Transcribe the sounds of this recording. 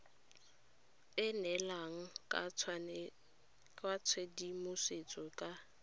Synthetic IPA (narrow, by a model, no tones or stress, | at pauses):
ɪnɛlaŋ̩ | kʼwat͡sʰwedimʊset͡sʼɔkʼa